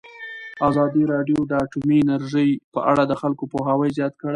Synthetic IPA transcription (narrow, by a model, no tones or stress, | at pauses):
azɑd̪iɾɑɖjod̪əaʈumiɪnaɾʒəjpə̰ʔaɽad̪əxalkopoɦawəjzjɑt̪̚kəɽaj